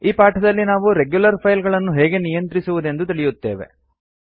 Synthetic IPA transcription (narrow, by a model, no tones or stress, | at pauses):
iːpaːʈʰɐd̪ɐlːinaːʋuɾeɡjulɐɾpʰɐjlɡɐɭɐnːuɦeːɡe̞nijɐnt̪ɾisuʋud̪e̞nd̪ut̪̬iɭijut̪ːe̞̰ːʋḛ